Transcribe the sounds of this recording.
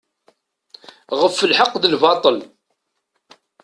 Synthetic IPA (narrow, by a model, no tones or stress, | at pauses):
ʁəfːəlħɑqːðəlvɑt̪ˤəl